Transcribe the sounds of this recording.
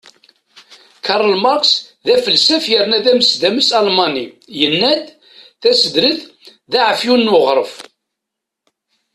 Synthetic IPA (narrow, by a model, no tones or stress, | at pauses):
kɑɾˤəlmɑɾksðæfəlsæfjəɾnæðæməsd̪æməsɑlmɑnijənːæd̪ | θæsəd̪ɾəθðaʕəfjunːwʊʁɾˤəf